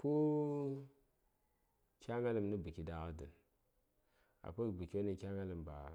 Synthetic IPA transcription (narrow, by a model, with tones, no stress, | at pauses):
ku˦ | kʲa˦ma˦lə˨mnə˦bi˨ki˨da˨ɣa˦də˨n | a̰˨pu˦bi˨kʲi˦o˦ni˨kʲa˦ŋa˦lə˨mba̰˨